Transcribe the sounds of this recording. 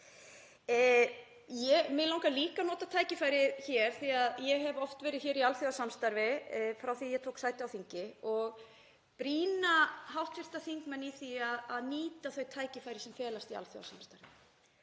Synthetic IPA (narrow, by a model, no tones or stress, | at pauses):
jɛmɪlawŋkaliːkanɔːt̪at̪ʰaːjcɪfaːjɾɪçɛɾ̥θiaðjɛɦɛvɔft̪vɛːɾɪð̥çɛːɾialθjɔðasamst̪aɾvɪfɾawθiajɛt̪ʰowksaːjt̪ɪawθiɲcɪɔɣ | pɾiːnaɦawht̪fɪr̥t̪aθiŋkmɛnːiθiaðaðniːt̪aθœɥt̪ʰaːjcɪfaːjɾɪsɛmfɛːlast̪ia̰lθjɔ̰ða̰samst̪aɾvɪ